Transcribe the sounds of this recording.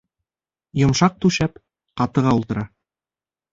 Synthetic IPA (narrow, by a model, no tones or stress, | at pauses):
jŏmʃɑq̚t̪ʉʃæp | qɑt̪ɤ̆ʁɑulˠt̪ɤ̆ɾɑ